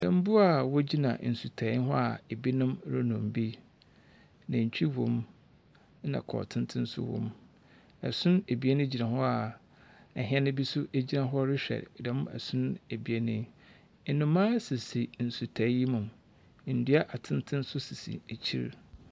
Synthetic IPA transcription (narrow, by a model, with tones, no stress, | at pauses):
ɛ̃˨m̩˦bʊ˦a˨wɔ˦d͡ʑi˦nã̰˨n̩˨su˨tʰa˨˦ɦɔ˦a˨e˨bi˦nʊ̃˦m˦ɾɪ˦nʊ̃˨m˨bi˦ | nã˨t͡ɕᶣi˦wɔ̰̃˨m˦ | nã̰˨kʰɔ̰˨tʰɪ̃˦n˦tʰɪ̃˦n̩˦sʊ̰˦wɔ̰̃˦m | ɛ˨sʊ̃˦ne˨bi˨˦e˦nɪ̃˦d͡ʑi˨nã˨hɔ˦a˨ | ɛ˨ɦɪ̃˦ɛ˦nʊ̃˦bi˦sʊ˦ʔe˦d͡ʑi˦nã˨ɦɔ˦ɾɪ˦ɕᶣɛ̰˨ɾdɛ˨˦mʊ̃˦ɛ̰˨sʊ̃˦n˦e˨bi˨e˦nɪ̃˦˨ | nʊ̃˨mãː˦sɪ˨si˨n̩˨su˨tʰa˨˦ji˦mʊ̃˨m˨ | n̩˨di˦a˦ʔa˨tʰɪ̃˦ntʰɪ̃˦n˦sʊ˦si˨sḭ˨e˨t͡ɕʰḭ˦ɾ